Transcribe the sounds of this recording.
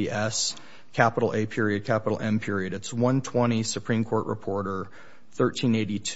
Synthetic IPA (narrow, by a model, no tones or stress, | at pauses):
iʔɛs | kʰæpəɾl̩ˠeɪpʰɪɹiɨd̚kʰæpəɾl̩ˠɛ̃mpʰɪɹiɨɾɨtswʌ̃ntʰw̥ɛ̃ɾ̃isɨpʰɹ̥ĩmkʰɔɹʔɹə̰pʰɔɹɾə˞ | θɜ˞tʰĩneɪɾitʰ